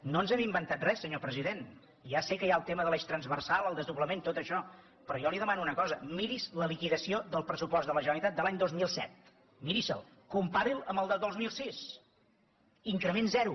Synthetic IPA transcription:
noənzɛmimbənt̪at̪̚rɛsːəɲopɾəziðen | iasekəjaəlˠt̪eməðəlɛʃt̪ɾənzβərsalˠəlˠd̪əzðuβləment̪ot̪əʃɔ | pɾɔjɔliðəmanuunəkɔzəmiɾizləlikiðəsioðəlˠpɾəsupɔzðələʒənəlit̪at̪̚d̪əlaɲd̪ozmilˠsɛ̰t̪̚ | miɾizə̰lˠ | kumpaɾilˠə̰mbəlˠd̪əd̪ozmilˠsis | iŋkɾəmenzɛɾu

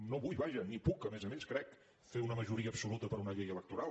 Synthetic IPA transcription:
noβuʎβaʒənipukəmɛzəmeskɾɛk | feunəməʒuɾiəːpsulut̪əpəɾunəʎejələk̚t̪uɾal

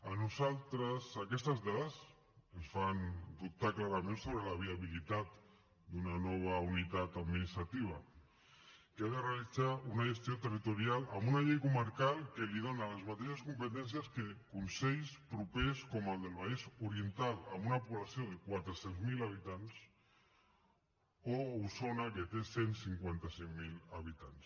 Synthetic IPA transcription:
anuzalˠt̪ɾəsakɛst̪azðaðəs | ənsfand̪up̚t̪aklaɾamẽnsoβ̞ɾelaβ̞iaβilit̪at̪ | d̪unanɔβ̞aunit̪at̪ad̪minist̪ɾat̪iβ̞a̰ | keaðerealid͡zaunaʒest̪jot̪erit̪uɾjalambunaʎejkuməɾkalˠkeliðonalezmat̪eʃaskumpet̪ɛns̬jaskekunsejspɾupeskomalˠd̪elβaisuɾient̪ala̰munapuβlasjoðekwat̪ɾesenzmilaβit̪ans | owsonaket̪esensiŋkwent̪aseŋmilaβit̪ans

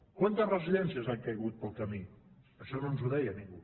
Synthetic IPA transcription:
kwant̪əzrəziʎɛnsiəzaŋkəjɣut̪̚pəlˠkəmi | əʃɔnonzuðɛjənĩŋɡu

